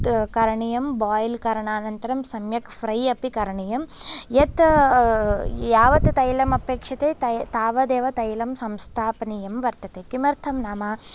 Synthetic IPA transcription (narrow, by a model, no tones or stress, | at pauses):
kɐɾɐɳijɐmbaːjlkɐɾɐɳaːnɐnt̪ɐɾɐmsɐmjɐkpʰɾɐjɐpikɐɾɐɳijɐmjɐt̪ | jaːʋɐt̪t̪ɐjlɐmɐpeːkʂɐt̪eːt̪ɐt̪aːʋɐd̪eːʋɐt̪ɐjlɐmsɐmst̪ʰaːpɐnijɐmʋɐɾt̪ɐt̪eːkimɐɾt̪ʰɐmnaːmaː